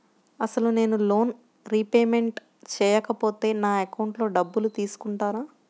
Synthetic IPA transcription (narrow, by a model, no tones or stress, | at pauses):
ɐsɐlune̞ːnulo̞ːn | ɾipeːme̞ɳʈ | t͡ʃɛːjɐkɐpo̞ːt̪e̞ːnaːekɐwɳʈlo̞ːɖɐbːulut̪iːsu̥kuɳʈaːnaː